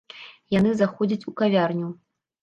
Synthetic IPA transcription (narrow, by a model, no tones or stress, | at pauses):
janɨzaxɔd͡zʲit͡sʲukavʲarnʲu